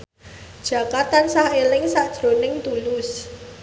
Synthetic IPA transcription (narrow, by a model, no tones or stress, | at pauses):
d̥ʒ̥ä̤kat̪ansahelɪŋsaʔd̥ʒ̥ɾo̤nɪŋt̪ulʊs